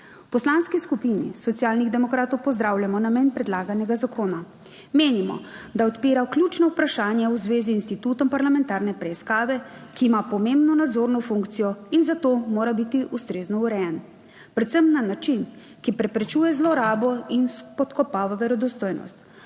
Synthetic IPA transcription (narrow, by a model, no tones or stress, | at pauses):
wpɔslanskiskupinḭsɔt̪sijaːlniɣd̪ɛmɔkɾaːt̪ɔwpɔzd̪ɾawlʲjamɔnamenpɾɛd̪laːɡanɛɡazakʰoːna | meːnimɔ̰d̪aɔt̪piːɾaklʲjut͡ʃnɔupɾaʃaːnjauzʋeːziːnst̪it̪uːt̪ɔmpaɾlamɛ̃nt̪aːɾnɛpɾɛiskaːʋɛkiːmapɔmẽmbnɔnad̪zoːɾnɔfuŋkt̪sijɔinzat̪oːmoːɾabit̪iʔust̪ɾeːznɔuɾɛjɛn | pɾɛt̪sɛmnanat͡ʃin | kipɾɛpɾɛt͡ʃuːjɛzlɔɾaːbɔinspɔt̪kɔpaːʋaʋɛɾɔd̪ɔst̪oːjnɔ̰st̪